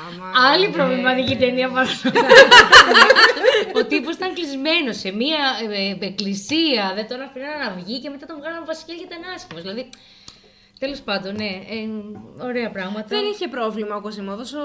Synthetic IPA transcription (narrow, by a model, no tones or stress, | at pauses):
ɐlipɾovlimɐt̪icit̪eniɐpɐs | ot̪iposit̪ɐŋklizme̞no̞semiɐeklisiɐðet̪oɐnɐfinɐnɐnɐvʝice̞met̪ɐt̪ovɣɐlɐmvɐsi̥ceʝet̪ɐnɐscimozðilɐði | t̪e̞lo̞spɐnd̪o̞nne̞eo̞ɾe̞ɐpɾɐɣmɐt̪ɐðeniçepɾo̞vlimɐokosimɐðoso